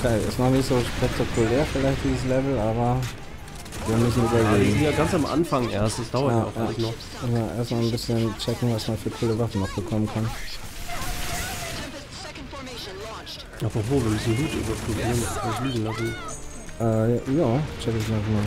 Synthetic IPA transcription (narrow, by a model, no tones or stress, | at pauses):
ʔokʰeːɪ̰snɔχnɪçtz̥oːʃpɛk̚tʰakʰulɛːɐfɪlaɪçtd̥iːzəs̬lɛvl̩ʔaːbɐ | viːɐmʏs̬n̩yːbɐleːɡŋ̩iːɐɡansamʔa̰nfaŋʔḛːɐstasd̥aʊɐtjajaʊfaçnɔχ | mʊsmanʔeːɐstmaːlnbɪsçənt͡ʃɛkŋ̩vasmanfyːɐkʰuːləvafn̩nɔχb̥əkʰɔmənkʰan | ʔapʁovoːviːɐmʏsn̩luːty̰ːbɐpʁubiːʁəndaskʰansliːɡŋ̩las̬n̩ | ʔɛːjaːt͡ʃɛkəziɛsmaːl